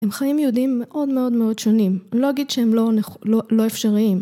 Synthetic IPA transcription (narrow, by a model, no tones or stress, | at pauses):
emχajimjeudimːe̞ʔo̞dme̞o̞dme̞o̞dʃo̞nimlo̞aɡid̪ʃehemlonelo̞efʃaʁiim